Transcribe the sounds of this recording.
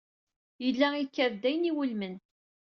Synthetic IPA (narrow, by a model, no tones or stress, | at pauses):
jəlːæikːævd̪æjniwʊlmən